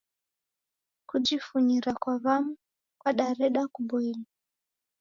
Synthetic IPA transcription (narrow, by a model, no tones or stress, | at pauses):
kud͡ʒifuɲiɾakwaβamu | kwaɗaɾɛɗakuɓɔila